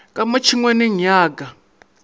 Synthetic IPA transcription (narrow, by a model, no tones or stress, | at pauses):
kʼamat͡ʃʰiŋwɛniɲaːɡa